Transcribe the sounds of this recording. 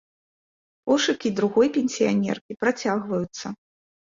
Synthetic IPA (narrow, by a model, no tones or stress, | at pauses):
ɔʂɨkʲid̪ɾuɣɔjpʲenʲsʲijanʲɛ̰rkʲipɾat͡sʲaɣvɐjut̪sːɐ